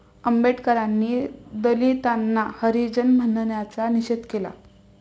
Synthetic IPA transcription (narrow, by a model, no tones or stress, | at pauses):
əmbeʈkəɾãnːiːd̪əlit̪anːahəɾid͡ʑənm̤ənɳjat͡saniɕed̪kela̰